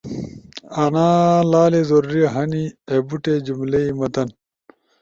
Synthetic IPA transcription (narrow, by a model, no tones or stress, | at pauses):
ɐnaːlaːlezoɾɾiɐɦɐniebuʈed͡ʑumleimɐt̪ɐn